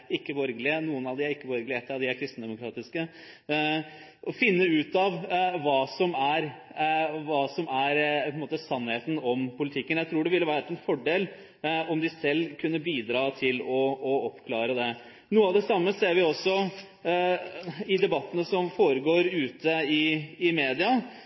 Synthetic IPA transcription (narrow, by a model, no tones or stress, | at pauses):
ɪkːəbɔɾɡlɪənuːənɑʋd̪ɪæɾɪkːəbɔɾɡəlɪɛt̪ːəɑd̪ɪæɾkʰɾɪst̪n̩d̪ɛmʊkʰɾɑːt̪ɪskə | ɔfɪnːəʉːt̪ɑʋʋɑːsɔmæɾ | ʋɑːsɔmæɾʰɔnmoːt̪əsɑnːheːt̪n̩ɔmpʊlɪt̪ʰɪkːənjæɪt̪ʰɾuːɖɛʋɪlːəʋæʈːɛnfɔɖeːl | ɔmd̪ɪsɛlːkʰʉnːəbiːd̪ɾɑːt̪ʰɪlɔːɔpkʰlɑːɾəd̪ɛ | nuːəɑʋd̪ɛsɑmːəseːɾʋɪɔsːɔ | ɪd̪ɛbɑt̪ːənəsɔmfoːɾəɡoːɾʉːt̪ʰəɪɪmeːd̪ɪɑ